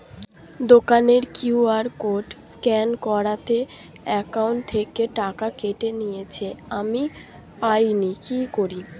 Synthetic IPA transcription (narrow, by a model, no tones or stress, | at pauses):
d̪okaneɾkjuaɾkoʈskɛnkɔɾat̪e | ɛkawɳʈt̪ʰːekeʈakakeʈenijet͡ɕʰeami | pajnikikoɾi